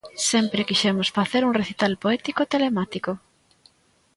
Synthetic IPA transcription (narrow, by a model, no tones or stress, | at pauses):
sɛmpɾekiʃɛmʊsfaθeɾuŋreθit̪alpoɛt̪ikot̪elemat̪iko